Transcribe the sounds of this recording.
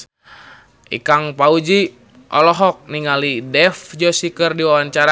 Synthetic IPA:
ʔḭkaŋpaud͡ʒi | ʔɔ̰lɔɦɔk̚niŋalidɛfd͡ʒɔsikərdiwawaɲt͡ʃaɾa

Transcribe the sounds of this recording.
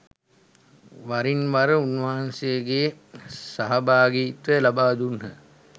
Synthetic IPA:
ʋɐɾinʋɐɾəunʋaːɐnseɡeː | sɐɦɐbaːɡiːt̪əlɐbaːd̪unhə̰

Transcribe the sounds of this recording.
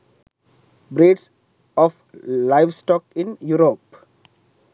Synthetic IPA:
bɾeːɖs | ɔːf | laɪʋsʈɔːkɪ̃njuɾoːp

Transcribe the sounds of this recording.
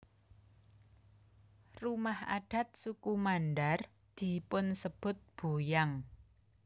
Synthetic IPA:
rumaha̰ɖ̥a̤t̪̚sukumanɖar | d̪̥i̤pʊnsəb̥ʊ̤t̪̚b̥o̤jaŋ

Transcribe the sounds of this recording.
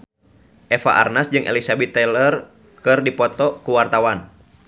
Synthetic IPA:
ʔɛfa̰ʔa̰rnasd͡ʒɨŋʔɛ̰lisabɛt̪ːɛlər | kɨrdipɔt̪ɔkuwart̪awan

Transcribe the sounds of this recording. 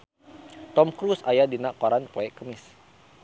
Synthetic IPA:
t̪ɔmkɾusajadinaʔkɔɾanpɔɛkəmɪs

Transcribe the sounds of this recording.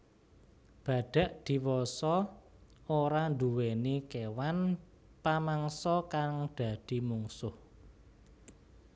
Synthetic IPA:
b̥a̤d̥a̤ʔd̪̥i̤wɔsɔ | oɾand̪uwenikewan | pamaŋsɔkaŋd̪̥ä̤d̪̥i̤muŋsʊh

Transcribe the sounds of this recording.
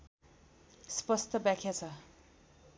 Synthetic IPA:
spʌst̪ʌbjãkʰjat͡sʰʌ

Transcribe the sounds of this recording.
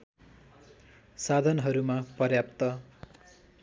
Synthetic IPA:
sad̪ʱʌnɦʌɾumapʌrjap̚t̪ʌ

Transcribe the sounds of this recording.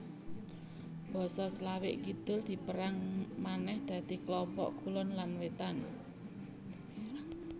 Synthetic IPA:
b̥ɔ̤sɔslawɪʔkid̪̥ʊ̤ld̪̥i̤pəɾaŋmanɛhd̪̥ä̤d̪̥i̤klɔmpɔ̰ʔkulʊnlanwet̪an

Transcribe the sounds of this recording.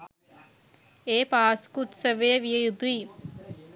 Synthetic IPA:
eːpaːskuʈsɐʋeːʋijɐjud̪ui

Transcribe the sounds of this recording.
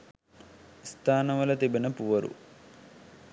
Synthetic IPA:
st̪ʰaːnɐʋɐlɐt̪ebinɐpuʋɐɾṵ

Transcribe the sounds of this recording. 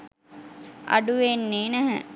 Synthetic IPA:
ɐ̰ɖuʋenːeːnæɦə̰

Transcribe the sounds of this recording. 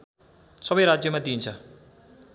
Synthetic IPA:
sʌbʌjɾad͡zjʌmad̪iːnt͡sʰʌ

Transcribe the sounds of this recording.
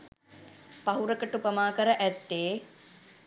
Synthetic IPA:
paɦuɾəkəʈupəmaːkəɾəʔæt̪ːeː

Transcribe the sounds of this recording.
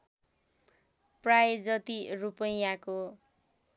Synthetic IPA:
prajd͡zʌt̪irupʌjako

